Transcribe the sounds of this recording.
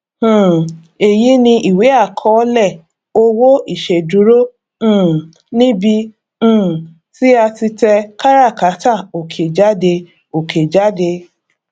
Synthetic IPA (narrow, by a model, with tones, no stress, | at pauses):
e˨ji˨˦nĩ˧ʔi˨we˨˦a˦˨kʰɔ˨˦lɛ˦˨ | o˦wo˦i˦˨ʃe˨du˨˦ɾõ˦˨ | nĩ˦bĩ˧˦˨ | ti˦a˧ti˧tɛ˧ka˦ɾa˦˨ka˨˦ta˦˨o˨kʰe˨d͡ʒa˦de˧ | o˨kʰe˨d͡ʒa˦de˧